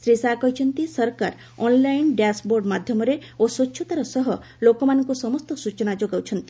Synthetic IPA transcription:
sɾisakɔɦit͡ʃʰɔnt̪isɔɾkaɾ | ɔnlajnɖjasboɾɖmad̪ʱjɔmɔɾeosɔt͡ʃːʃʰɔt̪aɾɔsɔɦɔ | lokɔmanɔŋkusɔmɔst̪ɔsut͡ʃɔnad͡ʒoɡawt͡ʃʰɔnt̪i̥

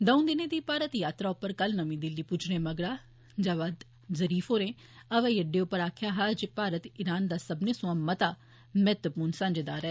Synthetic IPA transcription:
d̪əũnd̪ɪneːd̪iːpaːɾət̪jaːt̪ɾaːʊpːəɾkəlnəmĩːd̪ɪlːiːput͡ʃʰnẽːməɡɽaː | d͡ʒaːʋaːd̪ | zəɾiːfɦoːɾẽː | əʋɛ̃ːjəɖeːʊpːəɾaːkʰjaːɦaːd͡ʒpaːɾət̪ɪɾaːnd̪aːsəbneːsʊ̃ãːmət̪aː | mɛːt̪əpuːnsãːɲd͡ʒeːd̪aːɾɛː

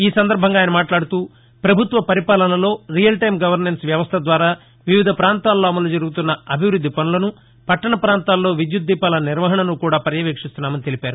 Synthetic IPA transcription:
iːsɐnd̪ɐɾbʱɐŋɡaːjnɐmaːʈlaːɽut̪uː | pɾɐbʱut̪ʋɐpɐɾipaːlɐnɐlo̞ːɾijɐlʈɐjmɡɐʋɐɾnensʋjɐʋɐst̪ʰɐd̪ʋaːɾaː | ʋiʋid̪ʱɐpɾaːnt̪aːlːoːɐmɐloːd͡ʒɐɾuɡut̪unːɐɐbʱiʋɾud̪ːipɐnulɐnu | pɐʈːɐɳɐpɾaːnt̪aːlːo̞ːʋid̪jud̪ːiːpaːlɐniɾʋɐɦɐɳɐnukuːɽaːpɐɾjɐʋeːkʂist̪unːaːmɐnit̪e̞lipaːɾu

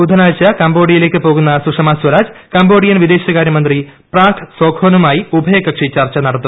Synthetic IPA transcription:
ud̪ʱɐnaːjt͡ɕːɐkɐmboːɽijileːkːɨpoːɣunːɐsuʂɐmaːswɐɾaːd͡ʑkɐmboːɽijɐnʋid̪e̞ːɕɐɣaːɾʲjɐmɐnd̪ripraːt̪ʰsoːkʰoːnumaːjiubʱɐjɐkːɐkʂit͡ɕːɐrt͡ɕːɐnɐɽɐt̪ːu

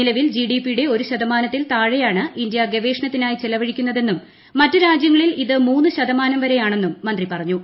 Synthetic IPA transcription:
ilɐʋild͡ʑiɖiːpijuɽe̞o̞ɾuɕɐd̪ɐmaːnɐt̪ːilt̪aːɻejaːɳɨindjɐɡeʋe̞ːʂnɐt̪ːinaːjit͡ɕelɐʋɐɻikʲːunːɐðe̞nːumː | ɐtːɨɾaːd͡ʑjɐŋːɐɭiliðɨmuːnːɨɕɐd̪ɐmaːnɐmʋɐɾe̞jaːɳe̞nːumːɐnd̪ripɐrɐɲːu

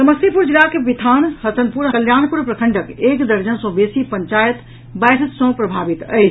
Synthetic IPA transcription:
səməsipuɾd͡ʒɾakebit̪ʰanhət̪ənpuɾkəljanpuɾpɾəkʰəɳɖəkekd̪əɾd͡ʒənsõbesipəɲt͡ʃajət̪ | bajɾəsə̃pɾəbʱabit̪ə̰jt͡ʃʰ

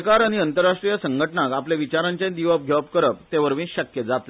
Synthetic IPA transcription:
kaɾañiənt̪əɾːaʂʈɾijəsəŋɡʱəʈəɳakapleʋit͡ɕaɾaɲt͡ɕẽd̪iʋəɡʱjəpkəɾəp̚t̪eʋəɾʋĩɕəkjəd͡zat̪l

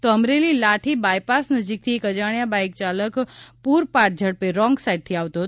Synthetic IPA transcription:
t̪oəmɾelilaʈʰibaːjpasnəd͡ʒik̚t̪ʰiekəd͡ʒaɳ̃jabajk̚t͡ʃaləkpuːɾpaʈ̚d͡ʒʱəɽpeɾɔ̃ŋɡsaiɖ̚t̪ʰiaʋt̪o

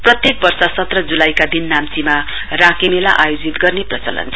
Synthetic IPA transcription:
prʌt̪jek̚bʌrsʌsʌt̪rʌd͡zulajkad̪inːamt͡sima | rãkemela̰ʔajod͡zit̪ɡʌrneprʌt͡sʌlʌ̰nt͡sʰʌ

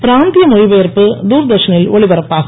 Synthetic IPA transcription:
pɾaːnd̪ijɐmojʋɐːɐrpɨd̪uːɾd̪ɐʂɐnilʋɐɭibɐɾɐpːaːs

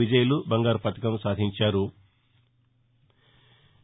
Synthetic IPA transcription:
id͡ʒɐjɐlubɐŋɡaːɾpɐt̪ɐkɐmsaːd̪ʱiɲt͡ʃaːɾu

